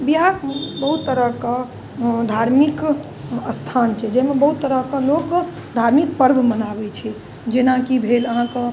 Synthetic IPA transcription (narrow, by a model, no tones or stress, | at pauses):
bjaɾbəɦut̪ːəɾəɦka | d̪ʱaɾmik | əst̪ʰant͡ʃʰɛd͡ʒɛmebəɦut̪ːəɾəkalok | d̪ʱaɾmik̚pəɾɡʱmənabɛt͡ʃʰɛ | d͡ʒenakibʱeləɦãkə